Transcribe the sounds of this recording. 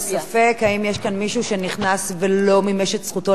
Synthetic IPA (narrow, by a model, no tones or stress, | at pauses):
safe̞khaimjeʃkanmiʃuʃe̞niχnasvelo̞mimeʃetsχuto